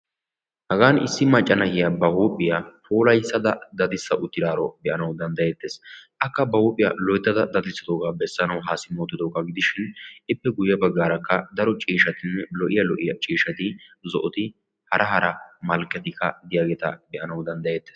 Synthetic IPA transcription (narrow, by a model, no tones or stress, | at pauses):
hɐɡaːnɪ̰sːɪmɐt͡ʃʼːɐnɐhɪjabɐhuːpʼːɪjafʰoːlɐjsːɐd̪ɐd̪ɐd̪ɪsːɐʔʊt̪ːɪd̪aːɾɔ̰bɛʔɐnɐwd̪ɐnd̪ɐjeːt̪ːe̞ːsʔɐkːɐbɐhuːpʼːɪjɐ̰lɔjt̪ːɐd̪ɐd̪ɐd̪ɪsːɪd̪oːɡaːbɛsːɐnɐwɦaːsɪmoːt̪ːɪd̪oːkːɐɡɪd̪ɪʃɪnɪpːɛɡʊjːɐbɐɡːaːɾɐkːɐd̪ɐɾɔt͡ʃʼiːʃɐt̪ɪnːɛlɔʔɪjɐlɔʔɪjɐt͡ʃʼiːʃɐt̪ɪzɔʔɔt̪ɪ | hɐɾʔɐhɐɾʔɐmɐlkʼːɛt̪ɪkːɐd̪ɪjaːɡeːt̪ɐ̰bɛʔɐnɐwd̪ɐnd̪ɐjeːt̪ːeːs